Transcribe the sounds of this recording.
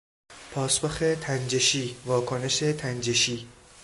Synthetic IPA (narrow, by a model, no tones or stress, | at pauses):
pʰɒːsboxet̪ʰænd͡ʒeʃiːvɒːkʰoneʃet̪ʰænd͡ʒeʃiː